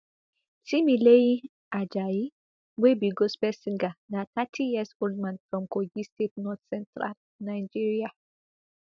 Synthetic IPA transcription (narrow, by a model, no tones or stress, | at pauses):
similei | ʔad͡ʒaji | webiɡospɛsĩŋɡanatatʰijɛsɡoldmãndfɹɔ̃mkoɡistet̚nɔt̪sɛ̃ntʰɾa̰l | najd͡ʒiɹia